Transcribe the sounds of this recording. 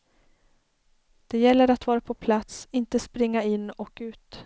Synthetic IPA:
d̪̥ɛjɛlːəɾat̪vɑːɾapʰɔpʰlat̪sɪnt̪əspɾɪŋːaɪnːɔkʉ̟ːt̪

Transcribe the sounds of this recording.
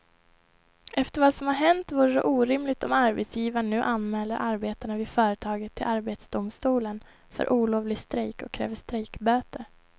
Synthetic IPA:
ʔɛft̪əɾvasɔmhaɾɦɛnt̪vuːɾəɖ̪ɛ̰ʔuːɾɪmlɪɡ̚t̪ɔmaɾbɛt̪sjiːvaɳʉ̟ːʔanmɛːlːəɾʔaɾbeːt̪aɳavɪfœːɾət̪ʰɑːɡət̪ʰːɪlaɾbeːt̪sd̪ʊmst̪uːlən | fœ̰ɾʔuːloːvlɪɡst̪ɾɛkɔ̰kʰːɾɛ̰ːvəʂt̪ɾɛːkbøːt̪əɾ

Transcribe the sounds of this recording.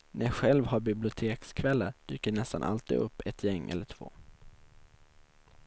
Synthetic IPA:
nʔɛɧɛlvɦaɾbɪblɪʊt̪ʰeːkskʰvɛlːəɾɖ̥̪yːkəɳɛst̪anʔa̰lt̪iːd̪ɵpːɛt̪ʰjɛŋːʔɛ̰lːəʈʰv̥o̰ː

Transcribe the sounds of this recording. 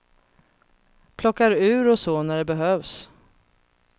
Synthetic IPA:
pʰlɔkːaɾʉ̟ːɾɔsɔnæɖɛbɛɦøːvs

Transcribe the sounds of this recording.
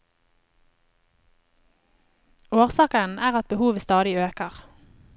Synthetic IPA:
oːʁsɑːkənʔæːʁɑt̪̚bəhuːʋəst̪ɑːd̪ɪøːkəʁ

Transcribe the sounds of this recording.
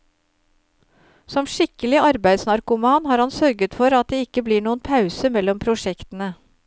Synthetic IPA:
sɔmʂɪkəlɪɑɾbæɪd̪snɑɾkʊmɑnhɑːɾhɑnsœɾɡət̪fɔɾɑt̪̚d̪eːɪkːəbliːɳuːənpʰɑʉsəmɛlːɔmpʰɾʊʂɛkt̪ən̩ə

